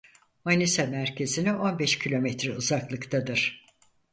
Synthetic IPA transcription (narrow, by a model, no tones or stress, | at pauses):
manisɛmæɾcʰe̞zinio̞nbɛʃcʰilʲo̞mɛt̪ɾɛuzaklˠɯkt̪ʰad̪ɯɾ̥